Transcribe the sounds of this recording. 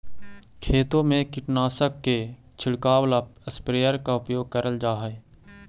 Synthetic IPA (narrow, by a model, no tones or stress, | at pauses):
kʰeːt̪õmẽkɪʈnaːsəkːe | t͡ʃʰɪɽkaːwlapəspɾeːəɾkaʊpjoːɡ̚kəɾəld͡ʒaːɦəe